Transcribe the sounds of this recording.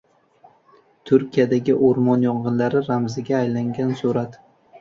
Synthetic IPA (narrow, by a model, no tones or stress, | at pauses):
t̪ʰʊɾkʲijad̪aɡʲɪʔoɾmɒnjɒɴʁɨnlaɾɪɾamzɪɡʲaːjlaŋɡʲansuɾat̪